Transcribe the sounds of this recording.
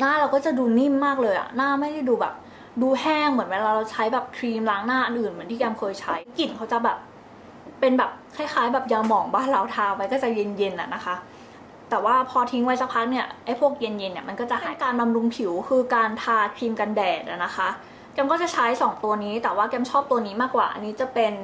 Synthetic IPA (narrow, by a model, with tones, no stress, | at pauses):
naː˥˩ɾa˧wkɔː˥˩t͡ɕa˨˩duː˧ni˥˩mːaː˥˩k̚lɤː˧jʔa̰˨˩naː˥˩ma˥˩jɾa˥˩jduː˧bɛ̰ː˨˩p̚ | duː˧hɛː˥˩ŋmɯ˩˦ənwɛː˧˩laː˧ɾa˧wt͡ɕʰa˦˥jbɛː˨˩p̚kʰɾiː˧mlaː˦˥ŋnaː˥˩ʔɯ˨˧nʔɯː˨˩nmɯ˩˦t̪ʰiː˥˩kɛː˧mkʰɤː˧jt͡ɕʰa˦˥jki˨˩nkʰa˦˥wt͡ɕa˨˩bɛː˨˩p̚ | pe˧nbɛː˨˩p̚kʰaː˥˩jxʰaː˨˦˥jbɛː˨˩p̚jaː˧mɔː˨˩˦ŋbaː˥˩nɾa˧wt̪ʰaː˧wa˧jkɔː˥˩t͡ɕa˨˩je˧nje˧nʔa̰˨˩na˦˥xʰa˦˥ | t̪ɛː˨˩waː˥˩pʰɔː˧t̪ʰi˦˥ŋwa˧˦˥jsa˦˥pʰa˦˥k̚ni˥˩ɐʔa˥˩jpʰu˥˩ək̚je˧nje˧nːi˦˥˩ma˧nkɔː˥˩t͡ɕa˨˩ʔha̰ː˩˦kaː˧nba˧mɾu˧ŋpʰi˩˦wkʰɯː˧kaː˧nt̪ʰaː˧kʰɾiː˧mka˧ndɛː˨˩t̪̚ʔa̰˨˩na˦˥xʰa˦˥ | kɛ˧mkɔː˥˩t͡ɕa˨˩t͡ɕʰa˦˥jsɔː˩˦ŋt̪u˧ɐniː˦˥t̪ɛː˨˩waː˥˩kɛː˧mt͡ɕʰɔː˥˩p̚t̪u˧ɐniː˦˥maː˥˩kwa̰ː˨˩ʔa̰˧niː˦˥t͡ɕa˨˩pe˧n